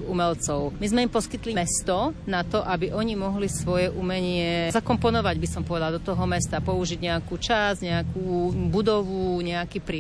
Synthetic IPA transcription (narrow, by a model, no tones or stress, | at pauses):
umɛlt͡sɔʊmizmɛimpɔskit̪limɛst̪ɔnat̪ɔʔabiʔɔɲimɔɦlisʋɔjɛʔumɛɲɪɛzakɔmpɔnɔʋaɟbisɔmpɔʋɛd̪ald̪ɔt̪ɔɦɔmɛst̪apɔuʒiɟɲɛakut͡ʃazɲɛakubud̪ɔʋuɲɛakiːpɾ